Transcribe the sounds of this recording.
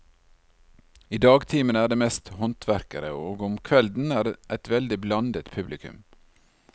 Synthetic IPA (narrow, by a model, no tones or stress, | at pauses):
iːd̪ɑːɡt̪ʰiːmənəæːɖeːmɛst̪hɔnt̪ʰʋæɾkəɾə̰oːɡʊmkʰʋɛld̪n̩æːɖʔæɪt̪ʋɛld̪ɪblɑnd̪ət̪pʰʉblɪkʉ̰m